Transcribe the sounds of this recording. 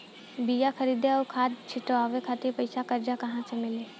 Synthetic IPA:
bijakʰɐɾiːd̪eɔkʰaːd̪̚t͡ʃʰɪʈoaːʋekʰaːt̪ipɐɪsakɐɾd͡ʒakɐɦãsemɪleː

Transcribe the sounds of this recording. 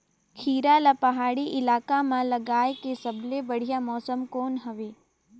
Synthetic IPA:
kʰiːɾalapɐɦaːɽiʔɪlaːkamãlɐɡaːekesɐblebɐɽ̤ijamɔːsəmkoːnɦɐʋeː

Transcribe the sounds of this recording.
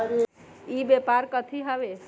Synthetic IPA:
ibepaɾkət̪ʰiɦəʋe

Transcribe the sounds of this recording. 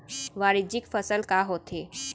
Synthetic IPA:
ʋaɾid͡ʑikfəsəlkaɦot̪ʰe

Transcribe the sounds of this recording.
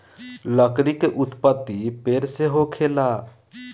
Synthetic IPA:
ləkɾikeʔʊt̪pət̪ːipeɾseɦokʰela

